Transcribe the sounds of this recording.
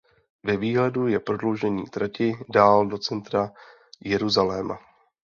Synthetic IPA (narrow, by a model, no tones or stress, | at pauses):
vɛviːɦlɛdujɛpɾo̞dlo̞wʒɛɲḭːt̪ɾacɪdaːldo̞t͡sɛnt̪ɾa | jɛɾuzalɛːma̰